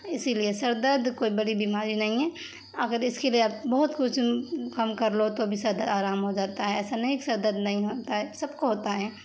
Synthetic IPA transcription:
ɪsiliesɐɾd̪əd̪koːibɐɽibɪmaːɾinɐɦĩɦɛ | ɐɡəɾɪskelieaːpbɔɦʊt̪kʊt͡ʃʰkɐmkɐɾlot̪obʱisɐɾd̪əd̪aːɾaːmɦod͡ʒaːt̪aɦɛɛːsanɐeksɐɾd̪əd̪nɐɦĩɦoːt̪aɦɛːsɐbkoɦoːt̪aɦɛː

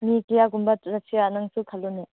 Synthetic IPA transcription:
mikijaɡumbatɾasianaŋsukʰalːune

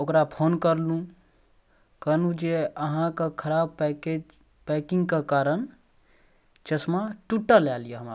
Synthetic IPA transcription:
okɾapʰonkəɾlũ | kənũd͡ʒeəɦãkekʰəɾabpked͡ʒ | pɛkiŋɡkekaɾən | d͡ʒəsmaʈuʈəɾlalijeɦəma

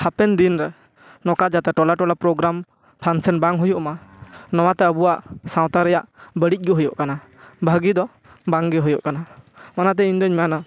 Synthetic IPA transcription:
hapɛnd̪inɾɛ | nɔkad͡ʒat̪ɛʈɔlaʈɔlapɾɔɡɾam | pʰansənbaŋɦujɔʔmanɔw̃at̪ɛəbuwaʔsaw̃t̪aɾɛjaʔbəɽic̚ˀɡɔɦujɔʔkana | bʱəɡid̪ɔ | baŋɡɛɦujɔ̰ʔkanamanat̪ɛiɲd̪ɔɲmɛana

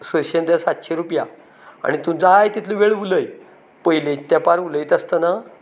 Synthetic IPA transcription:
səɕend̪jasat̪ɕeɾupja | a̰ɽ̃it̪ũd͡zajt̪it̪ʰlũʋeɭʋuləj | pəɦilẽt̪japaɾuləit̪ast̪əna

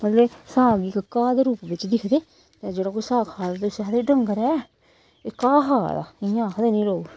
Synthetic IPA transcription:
mət̪lesəɦaːɡiːkəkaːd̪eːɾuːpʋɪt͡ʃd̪ɪkʰd̪eː | t̪ed͡ʒeːɽaːkoisaːkʰaːd̪at̪osaːd̪eːɖəŋɡəɾɛː | eːkaːɦaːd̪a̰ːɪjãːkəd̪eːnĩːɾoː

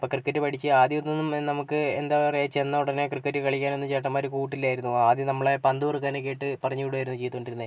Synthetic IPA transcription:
poːkrɨkːɐtːɨpɐʈʰit͡ɕːɨaːd̪jonːonːumnɐmukːɨend̪aːʋɐrjt͡ɕe̞nːɐuɽɐnekrɨkːɐtːɨkɐɭikʲːaːnonːumt͡ɕeːʈːɐmːaːɾukuːʈːilːaːjiɾunːuaːðjinɐmːɐɭepɐnd̪uʋrkːaːnekːeiʈːɨpɐrɐɲːijuɽaːjiɾunːut͡ɕe̞jt̪ːukoɳɖiɾunːe

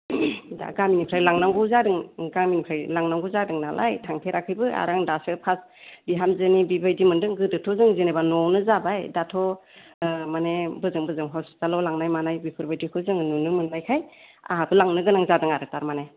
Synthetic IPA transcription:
da̰ɡaminikʰɾajlaŋnaŋɡɯzadɯŋɡaminikʰɾajlaŋnaŋɡuzadɯŋnalʔa̰jtʰaŋpʰeɾʔakʰɯjbɯa̰ɾaŋdasɯpʰas | biɦamzɯnibibajdimɯndɯŋɡɯdɯtʰɔzɯŋzenebanɔwnɯzabajdatʰɔ | manebɯzɯŋbɯzɯŋɦɔsz̥alɔlaŋnajmanajbipʰɯɾbajdikʰɯzɯŋnunɯmɯnːajkʰaj | a̰ɦabɯlaŋnɯɡɯnaŋzadɯŋaɾɯtaɾmane

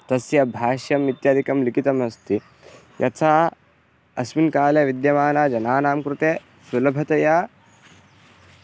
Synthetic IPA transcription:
t̪ɐsjɐbʱaːʃjɐmʋit̪jaːd̪ʱikɐmlikit̪ɐmɐst̪ʰi | jʔɐ̰t̪ʰaː | ɐsminkaːleʋid̪jɐmaːnad͡ʒɐnaːnaːmkɾut̪e | sɐlɐbʱɐt̪ɐjaː

